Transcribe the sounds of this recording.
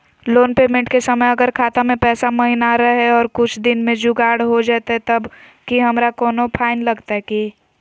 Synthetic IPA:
loːnpeːmẽɳʈkesɐməjɐɡəɾkʰaːt̪amẽpɛːsamɐɦinaɾɐɦɛɔːɾkʊt͡ʃʰd̪ɪnmẽd͡ʒʊɡaːɽɦod͡ʒaːt̪aɛt̪ɐb | kiɦɐmɾakɔːnopʰaːɪnlɐɡt̪aɦɛki

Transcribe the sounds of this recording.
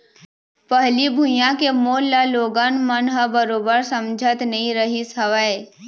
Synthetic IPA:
pəɦlibʱujãkemoːaloːɡanmənɦəbəɾoːbəɾsə̃md͡ʒʱət̪nɐɦĩɾəɦisəʋəe

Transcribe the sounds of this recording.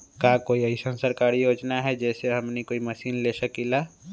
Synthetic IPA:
kakoːiəisə̃nsəɾkaɾijoːd͡ʒnaɦɛd͡ʒɛːseɦɐmnikoːimɐsiːnlesəkilaː

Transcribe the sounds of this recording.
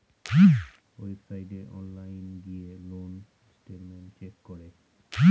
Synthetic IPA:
ojsajɖeʔɔnlajnɡielon | sʈeʈmẽnʈt͡ʃekːɔɾe

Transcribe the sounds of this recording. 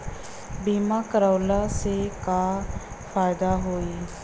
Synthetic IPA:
biːmaːkəɾaːlaːseːkaː | pʰaːɪd̪aːɦoːiː

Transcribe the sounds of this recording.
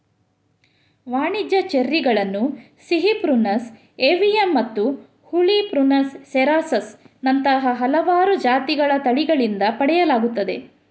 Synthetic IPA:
ʋaːɳid͡ʒɐt͡ʃeɾːiɡɐɭɐnːu | siɦipɾunɐs | eʋijemːɐt̪ːu | huɭipɾunɐsːeɾaːsɐs | nɐnt̪ɐɦɐɦɐlɐʋaːɾud͡ʒaːt̪iɡɐɭɐt̪ɐɭiɡɐɭind̪ɐpɐɽɛjɐlaːɡut̪ːɐd̪e

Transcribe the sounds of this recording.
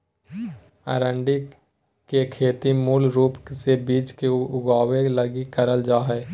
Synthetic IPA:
ə̰ɾə̃ɳɖi | kekʰeːt̪imuːlɾuːpksebiːt͡ʃkeʊɡaːweləɡikəɾəld͡ʒaːɦɛː

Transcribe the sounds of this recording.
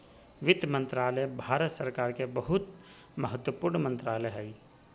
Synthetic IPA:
ʋɪd̪mə̃nt̪ɾaːləbʱaːɾət̪səɾkaːɾkebəɦʊt̪ | məɦət̪wəpuːɾɳmə̃nt̪ɾaːləɦɛː

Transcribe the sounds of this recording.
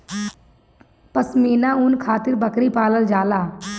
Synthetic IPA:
pəsmiːnaʊnkʰaːt̪ɪɾbəkɾipaːləld͡ʒaːlaː

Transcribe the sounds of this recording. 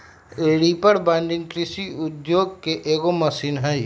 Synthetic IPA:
eːɽipɐɾbɛ̃ːnɖɪ̃ŋɡkɾɪsiʊd̪joːɡ̚keʔeːɡomɐsiːnɦɛj

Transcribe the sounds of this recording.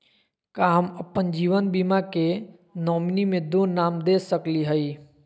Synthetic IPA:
kaɦəməpːənd͡ʒiːʋənbiːmake | nɔːmnimẽd̪oːnaːmd̪eːsəkliɦəi

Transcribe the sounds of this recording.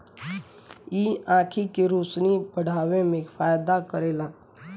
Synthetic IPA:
iːãːkʰikeɾuːsnibəɽ̤ʱaːwẽmẽfaːjd̪akəɾeːlaː

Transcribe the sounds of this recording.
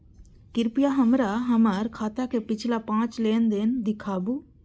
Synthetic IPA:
kiɾpijaɦɐmɾaɦɐmɐɾkʰaːt̪akepit͡ʃʰilapãːt͡ʃleːnd̪eːnd̪ikʰaːbu

